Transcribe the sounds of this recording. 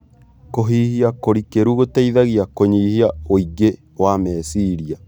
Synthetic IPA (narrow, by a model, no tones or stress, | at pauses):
koɦiːhiakoɾikeɾuɣotaiðaɣiakoɲihiaoiɡe | wamɛːsiɾia